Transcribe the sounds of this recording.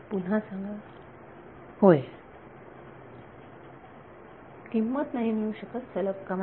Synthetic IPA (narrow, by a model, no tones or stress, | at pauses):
pun̤ãsãŋɡə | hoj | kimːət̪naɦimiɭuɕəkət̪t͡sələbkam